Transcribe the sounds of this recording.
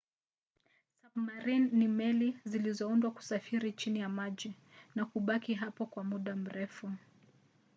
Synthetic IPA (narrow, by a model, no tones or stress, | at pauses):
samaɾinːimɛlizilizɔundwaku̥safiɾit͡ʃinijamaʄi | nakuɓakiɦapɔkwamuɗam̩ɾɛfu